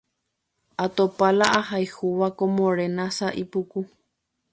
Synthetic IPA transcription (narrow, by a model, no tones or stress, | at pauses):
at̪opalaʔahajhuʋakõmõɾenãsaʔipuku